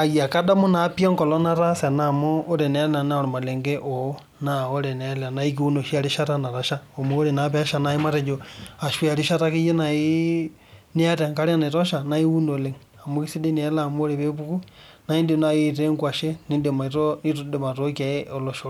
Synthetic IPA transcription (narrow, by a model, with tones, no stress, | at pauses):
a˨ja˨ka˦da˦mo˦napjo˦ŋkɔ˨lo˦na˦ɾa˦sa˨namoː˦ɾe˨ne˨˦la˨na˦o˨ɾo˨ma˨le˨ŋɡe˦ʔo | nao˦le˨ne˨la˨na˨i˦k̬i˦u˦no˨ʃi˦a˨liʃa˦ta˦na˨ɾaʃa˦o˨mo˦ɾe˨napeʃa˨na˨i˦ma˦te˨ɲd͡ʒoa˨ʃwa˨ɾi˦ʃa˦taki˦je˦nai˦ | ni˦a˦ta˨ŋka˦ɾe˦a˦na˨i˨to˦ʃa˨na˦i˦u˦ndo˨le˨ŋ | a˨mo˦ki˦si˦di˦n˨e˨lamo˦ɾeβe˦βu˦ku˦ | na˨i˦ndiona˨ji˦te˦ŋɡwa˨ʃe˦ni˦ndio˨ma˨toni˦tde˨ma˨to˦ka˨eo˨loʃo˨